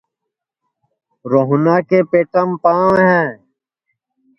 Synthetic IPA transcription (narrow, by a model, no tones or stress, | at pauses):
ɾoɦunaːkepeːʈɐmpãːɦɛ̃ː